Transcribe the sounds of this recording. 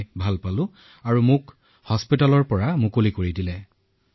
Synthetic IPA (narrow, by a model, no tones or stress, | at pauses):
bʱalpalʊ̃ | aɹumʊk | hɔspitalɔɹpɔɹamʊkolikoɹidilɛ